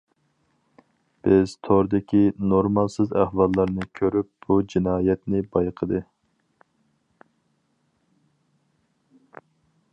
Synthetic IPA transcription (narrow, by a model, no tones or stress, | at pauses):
b̥ɪz̥t̪ʰoɾd̪ɪkʲʰinoɾmɑlˠsɨzæ̰hwɑlˠːɑɾnɨkʲʰøɾyp̚b̥ud͡ʒinɑːjɛt̪nɪbɑjqʰəd̪ɨ